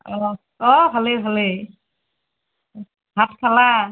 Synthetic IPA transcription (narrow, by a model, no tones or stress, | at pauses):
ɔ | ɔbʱalebʱale | bʱatkʰala